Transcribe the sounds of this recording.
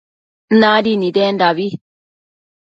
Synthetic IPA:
naːdinid̪eːndaβi

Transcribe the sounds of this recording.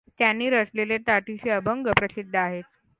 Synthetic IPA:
t̪janːiːɾəsleleʈ̪aʈiɕiːəbʱəŋɡəpɾəsid̪ʱːəaɦet̪̚

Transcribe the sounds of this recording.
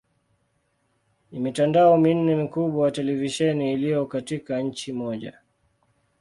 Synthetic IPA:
nimitandaɔmin̩nɛmikuɓwajatɛlɛviʃɛniːlijɔkatikaɲ̩t͡ʃimɔʄa̰

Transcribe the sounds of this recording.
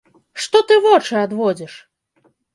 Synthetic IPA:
ʂt̪ɔt̪ɨvɔt͡ʂɨad̪vɔd͡zʲɛʂ

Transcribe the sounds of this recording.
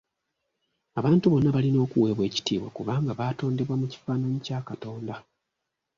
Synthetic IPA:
aβaːntuβo̞nːaβalino̞ːkuwe̞ːβwe̞ːci̥tḭːβwa̰kuβaːŋɡaβaːto̞ːnde̞βwamuci̥faːnaɲicaːkato̞ːnda

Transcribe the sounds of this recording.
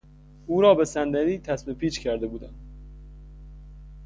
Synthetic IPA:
uːɾɒːbesænd̪æɾiːt̪ʰæsmepiːt͡ʃcʰʲæɾd̪ebuːd̪æn

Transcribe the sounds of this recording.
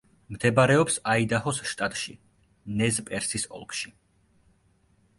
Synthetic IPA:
md̪ɛbaɾɛɔpsaid̪ahɔsʃt̪ʼat̪ʼʃi | nɛzpʼɛɾsisɔ̰lˠkʰʼʃi

